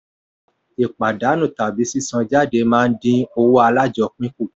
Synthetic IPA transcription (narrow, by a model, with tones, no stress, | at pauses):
i˨k͡pa˨da˨˦nũ˦˨ta˨bi˨˦si˦sã˧d͡ʒa˦˨de˧mãː˦˧n̩˦dĩ˧o˧wo˦a˧la˦˨d͡ʒɔ˧˦k͡pĩ˦ku˦˨